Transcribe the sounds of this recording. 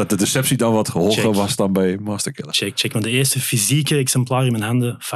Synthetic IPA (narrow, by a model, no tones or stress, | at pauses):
d̥ɑt̚dədɪsɛpsidɑnʋɑtχəɦolˠəʋɑsdɑnbɛjmɑːstəɹkɪlˠət͡ʃɛk̚t͡ʃɛkmandəɪːrstəfizikəɛksɛmplaːrɪnmɛnɦɑndəva